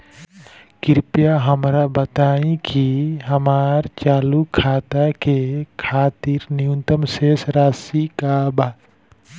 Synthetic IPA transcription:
kiɾpjaɦəmɾabət̪aĩkiɦəmaɾt͡ʃaːlukʰat̪akekʰat̪iɾniunt̪əmsesɾasikaba

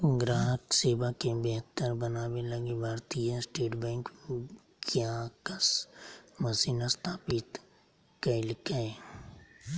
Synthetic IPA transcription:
ɡɾaːɦəkseːbakebeɦt̪ːəɾbɐnaːwelɐɡebʱaːɾt̪iãsʈeːʈbɛ̃ːŋk | keakasmɐsiːnast̪ʰaːpɪt̪ | kɐilɪkae

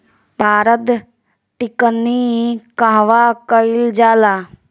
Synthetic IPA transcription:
paːɾət̪ | ʈɪkənːikaɦʋakəild͡ʒaːlaː

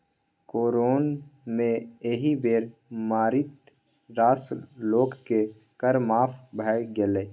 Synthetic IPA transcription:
koːɾoːnmẽeɦibeːɾmaːɾɪt̪ | ɾaːsloːɡkːe | kəɾmaːpʰbʱaːɡeleː

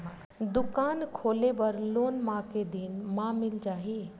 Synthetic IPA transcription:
d̪ʊkaːnkʰoːlebəɾloːnmãked̪inmãmɪld͡ʒaːɦie

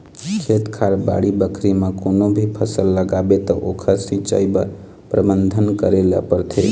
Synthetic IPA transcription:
kʰet̪kʰaɾba̰ɽibəkʰɾimekonobʱipʰəsəlːəɡabet̪əʔokʰəsĩt͡ʃa̰jba | pɾəbənd̪ʱənkəɾelə̰pəɾt̪ʰe

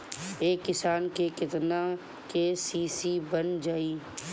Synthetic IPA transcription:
eːkːɪsaːnkekɪt̪na | kesiːsiːbənd͡ʒaːiː

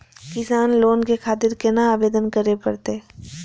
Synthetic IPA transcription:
kɪsaːnloːnkekʰaːt̪ɪɾkenaaːʋeːd̪ənkɐɾepɐɾt̪e

